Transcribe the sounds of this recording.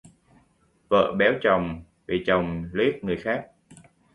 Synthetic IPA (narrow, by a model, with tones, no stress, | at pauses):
və̰ː˧˨ɓɛ˨˦wt͡ɕə˨˩wŋ͡m | vi˨˩t͡ɕə˨˩wŋ͡mli˦˥ət̚ŋɨ˨˩əjxaː˦˥k̚